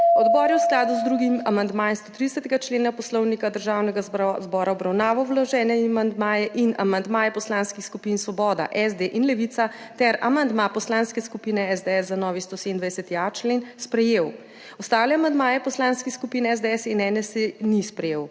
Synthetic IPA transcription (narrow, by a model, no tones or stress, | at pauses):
ɔd̪bɔːɾjɛwsklaːd̪uzd̪ɾuɡimamand̪maːɛnst̪ot̪ɾid̪ɛsɛt̪ɛɡat͡ʃleːnapɔslɔwnikad̪əɾʒaːwnɛɡazbɔːɾaɔbɾawnaːʋɔwlɔʒɛːnɛimand̪maːjɛʔina̰mand̪maːjɛpɔslaːnskixskupinsʋɔbɔːd̪a̰ʔɛzd̪eʔinlɛʋit̪sat̪ɛɾamand̪mapɔslaːnskɛskupiːnɛɛzd̪ɛɛsːanɔːʋist̪osemnd̪ʋajɛsɛt̪iat͡ʃleːnspɾɛjeːw | ɔst̪aːwlɛamand̪maːjɛpɔslanskixskupiːnɛɛzd̪ɛɛsinɛnɛsenispɾɛjew